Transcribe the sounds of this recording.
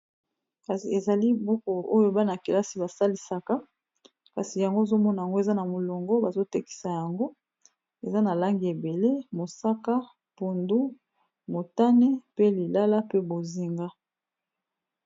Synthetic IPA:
ka˨si˨e˨za˨li˦bu˦ko˨ʔo˦jo˦ba˦na˨ke˨la˦si˨ba˨sa˦li˨sa˨ka˦ | ka˨si˨ja˨ŋɡo˦e˨zo˦mɔ˦na˨ja˨ŋɡo˦e˨za˦na˨mo˨lo˨ŋɡɔ˦ba˨zo˦te˦ki̥˨sa˨ja˨ŋɡo˦ | e˨za˦na˨la˦ŋɡi˨e˨be˨le˦mo˨sa˦ka˦ | pu˨ndu˦ | mo˨ta˦ne˦pe˦li˨la˦la˦pe˦bo˨zi˨ŋɡa˦

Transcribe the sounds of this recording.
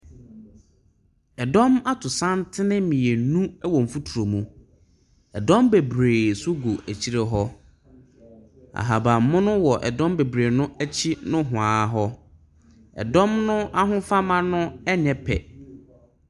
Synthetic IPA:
ɛ˨dɔ̃˦ma˦tʰʊ˨sã˦ntʰɪ˦nɪ̃˦mĩ˨e˨nũ˦ɛ˦wɔ̃˨m̩˨fu˦tʰu˨ɾo˨mũ˨ | ɛ˨dɔ̃˦mbe˨bɾeː˨sʊ˦ɡo˨æ˨t͡ɕʰi˦ɾe˦ɦɔ˦ | a̰˨ɦa˨ba˨m˦mʊ̃˦nʊ̃˦wɔ˨ʔɛ̰˨dɔ̃˦mbe˨bɾeː˨nʊ̃˦æ˦t͡ɕʰi˦nʊ̃˦ɦʊ̃˨ãː˨ɦɔ˦ | ɛ̰˨dɔ̃˦mnʊ̃˦a˦ɦʊ̃˦fa˦mã˦nʊ̃˦ɛ˦ɲɛ̃˨pʰɛ̰˨

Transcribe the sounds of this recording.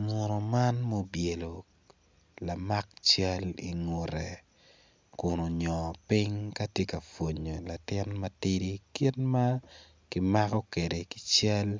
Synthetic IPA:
ŋo˨ɾo˨ma˦nmo˦bje˨lo˨ | la˨ma˦k̚t͡ʃɛ˦lḭ˨ŋu˨ɾe˨ | kʊ˨no˨ɲɔpɪŋka˦tje˦ka˨fwo˨ɲo˨la˨tɪ˦nmati˦di˦ki˦tma˦ | kɪ˦ma˦kɔ˦ke˨de˨kɪ˨t͡ʃɛ˦l

